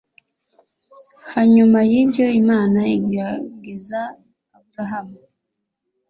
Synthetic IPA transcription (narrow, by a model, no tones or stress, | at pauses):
haɲumajiːbjo̞imaːnaiɡɾaɡezaː | bɾaɦamu